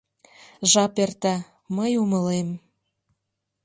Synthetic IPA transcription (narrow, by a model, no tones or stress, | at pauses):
ʒɑpert̪æ | məjuməlem